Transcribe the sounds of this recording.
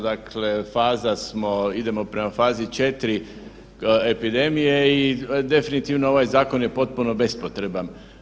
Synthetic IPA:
d̪akʰle̞faːzasmo̞id̪e̞mo̞pɾe̞mafaːzit͡ʃe̞t̪ɾi | epid̪e̞mije̞id̪e̞finit̪iʋnoo̞ʋajzaːko̞nje̞po̞t̪̚puno̞be̞spot̪ɾe̞ban

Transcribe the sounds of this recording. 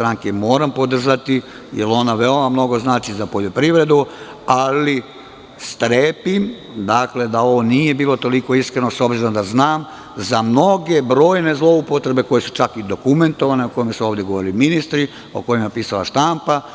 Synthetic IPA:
t̪ɾaŋkemo̞ːɾampo̞d̪r̩ʒat̪i | jelo̞naʋe̞o̞mamno̞ɡoznaːt͡ʃizapoʎo̞pɾiʋɾe̞d̪u | ali | st̪ɾeːpim | d̪akle̞d̪ao̞ʋo̞nije̞biːlo̞t̪o̞liko̞iskɾe̞no̞so̞bziɾond̪aznaːm | zamno̞ɡe̞bɾo̞ːjne̞zlˠo̞upo̞t̪ɾe̞be̞ko̞je̞su̥t͡ʃakid̪o̞kume̞nt̪o̞ʋane̞oko̞jmasuo̞ːʋd̪jeɡoo̞ɾiliminist̪ɾi | o̞̰ko̞jimapiːsala̰ʃt̪ampa

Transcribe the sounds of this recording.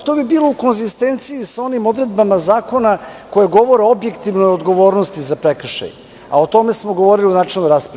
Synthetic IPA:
t̪obibiːlˠo̞uko̞nzist̪ent̪siisao̞nimo̞d̪ɾe̞d̪bamazaːko̞nakojeɡo̞ʋo̞ɾeo̞bje̞kt̪iʋnojod̪ɡo̞ʋo̞ːɾnost̪izapɾekr̩ʃa̰j | a̰ot̪o̞mesmoɡoʋo̞ɾiliunaːt͡ʃelnoɾaspɾ

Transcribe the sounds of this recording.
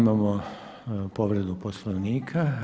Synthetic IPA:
mamo | poʋɾed̪uposlˠoʋniːkʰa

